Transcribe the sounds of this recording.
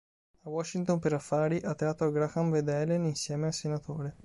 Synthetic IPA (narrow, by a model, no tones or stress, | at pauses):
awɔʃːint̪ompeɾafːaːɾiʔat̪ːaːt̪ːoaɡɾakanved̪ɛleninsjɛːmealsenat̪ʰoːɾe